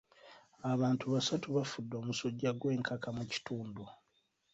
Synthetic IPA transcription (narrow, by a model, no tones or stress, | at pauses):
aβaːntʰuβasatuβafudːo̞ːmusoɟːaɡwe̞ːŋkʰakamuci̥tuːndu